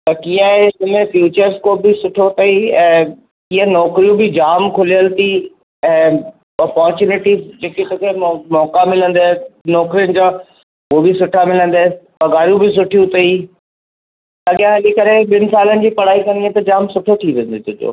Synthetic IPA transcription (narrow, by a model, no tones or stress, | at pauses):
t̪ɐkiãɦeɐmẽfjuːt͡ɕəɾzkoːbɪsʊʈʰot̪ɐiɛ̃ː | iːə̃nɔːkɾijũbɪd͡ʑaːmkʰʊlijəlt̪i | ɛ̃ː | ɐpɔɦɾt͡ɕuːnɪʈizd͡ʑeːket̪oːkʰemɔːkamɪlə̃nd̪aːnɔːkɾijənɪ̆d͡ʑãː | obɪsʊʈʰamɪlə̃nd̪aːepɐɡaːɾijũbɪs̬ʊʈʰijũt̪ɐi | lɐɠjãɦɐlikɐɾeɓɪnɪ̆saːlənɪ̆d͡ʑiːpɐɽ̤aːikɐ̃nd̪iẽt̪ɐd͡ʑaːmsʊʈʰoʈʰiʋẽn̆d̪ɪt̪ʰʊd͡ʑo̰ː